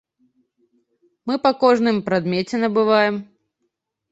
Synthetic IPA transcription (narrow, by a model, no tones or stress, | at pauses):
mɨpɐkɔʐnɨmpɾad̪mʲɛt͡sʲɛnɐbɨvajɛm